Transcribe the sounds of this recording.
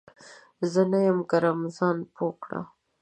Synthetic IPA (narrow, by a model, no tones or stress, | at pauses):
zənajəmkaɾamzɑnpʰokɽa̰